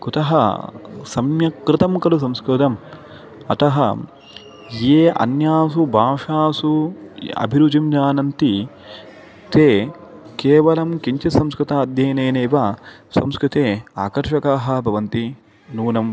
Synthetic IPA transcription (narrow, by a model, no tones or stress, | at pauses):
kut̪ɐɦɐ̰sɐmjɐkɾɪt̪ɐmkɐlus̬ɐmskɾɪt̪ɐm | ɐt̪ɐɦɐ̰ | jeːʔɐ̰njaːs̬ubʱaːʂaːsuɐ̰bʱiɾud͡ʒ̪imd͡ʒaːnɐnt̪i | t̪eː | keːʋɐlɐmkiɲt͡ʃɐsɐmskɾɪt̪aːɐd̪jeːneːneːʋɐsɐ̰mskɾut̪eːaːkɐɾʂɐkaːɦɐ̆bʱɐʋɐnt̪i | nuːnɐm